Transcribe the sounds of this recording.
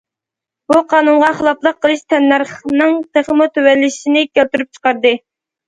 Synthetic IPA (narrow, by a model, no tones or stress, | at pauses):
b̥uqʰɑːnunʁɑχəlˠɑplˠəqʰːəlˠɨʃt̪ʰɛnːæɾχnɨŋt̪ʰeχəmut̪ʰywɛlːɪʃinɪkʲælt̪yɾyp̚t͡ʃʰə̥qɑɾd̪ɨ